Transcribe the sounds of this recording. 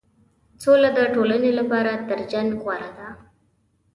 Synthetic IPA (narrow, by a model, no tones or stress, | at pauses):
solad̪əʈolanelapɑɾat̪əɾd͡ʒaŋɡɣwaɾad̪a